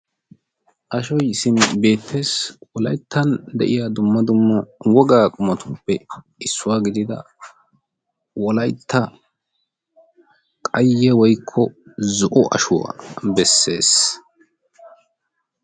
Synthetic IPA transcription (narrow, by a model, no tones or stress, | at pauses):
ʔɐʃɔjsɪnbe̞ːt̪ʰːe̞ːswɔlɐjt̪ʰːɐnd̪ɛ̰ʔɪjad̪ʊmːɐd̪ʊmːɐwɔɡaːkʼʊmɐt̪ʊpːɛ | ɪsːʊwaːɡɪd̪ɪd̪ɐ̰ | wʔɔlɐjt̪ʰːɐ | kʼɐjːɛwɔjkʰːɔzʊʔɔʔɐ̰ʃʊwa̰bɛsːe̞ːs